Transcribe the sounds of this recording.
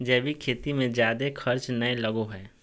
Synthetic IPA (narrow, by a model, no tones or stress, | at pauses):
d͡ʒɛːbʱikʰeːt̪imẽd͡ʒjaːd̪exʰɐɾt͡ʃnɐelɐɡoɦɛː